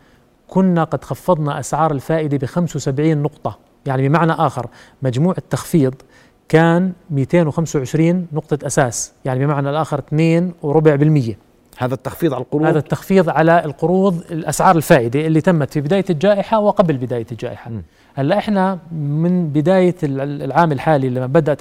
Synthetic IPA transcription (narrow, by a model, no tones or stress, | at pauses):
kʊnːaqɑd̪xɑfːɑðˤnɑʔasʕɑːɾˤalfaːʔɪd̪ibɪxamswsabʕiːnːʊqt̪ˤɑ | jaʕnibɪmaʕnaʔaːxɪ̰ɾ | mad͡ʒmuːʕɪt̪ːɑxfiːðˤ | kaːnmiːt̪eːnwɪxamsawʕɪʃɾiːnːʊq̚t̪ˤɑʔasaːsjaʕnibɪmaʕnalʔaːxɪɾt̪neːnwɾʊbʕbɪlmɪjːa | haːðat̪ːaxfiːðˤʕaqʊɾhaːðat̪ːɑxfiːðˤʕalalqʊɾuːðˤɪlʔasʕɑːɾˤɪlfaːʔɪd̪iʔɪlːit̪amːat̪fibɪd̪aːjald͡ʒaːʔɪħawɪqɑblbɪd̪aːjald͡ʒa̰ːʔɪħa | ʔalːaʔɪħnamɪnbɪd̪aːjalʕaːmɪlħaːlilːiabad̪aʔ̪